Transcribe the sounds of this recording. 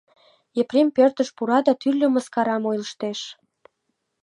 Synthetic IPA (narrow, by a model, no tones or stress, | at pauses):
eprempørt̪əʃpuɾɑd̪ɑt̪yrlʲø̆məskɑɾɑmojləʃt̪eʃ